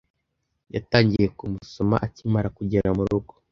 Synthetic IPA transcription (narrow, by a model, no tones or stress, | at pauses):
jataːɲɟije̞kumuso̞ma̰ʔacimaɾakuɟeɾamuɾuɡo